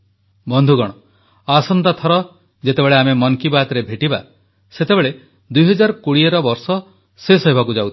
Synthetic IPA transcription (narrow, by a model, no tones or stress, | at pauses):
bɔnd̪ʱuɡɔɽ̃ɔ | asɔnt̪at̪ʰɔɾɔ | d͡ʒet̪ebeɭeamemɔŋkibat̪ɾebʱeʈiba̰ | set̪ebeɭe | d̪ujɦɔd͡ʒaɾkuɽieɾɔbɔɾsɔ | sesɔɦibʱakud͡ʒawt̪ʰi̥